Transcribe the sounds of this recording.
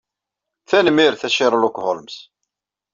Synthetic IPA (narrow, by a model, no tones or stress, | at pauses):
θænmɪɾθæʃɪɾˤlʊkʷholms